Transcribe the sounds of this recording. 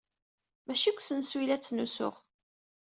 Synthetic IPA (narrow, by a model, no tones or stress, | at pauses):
mæʃikʷːsənswilæt͡sːnusʊ̰ʁ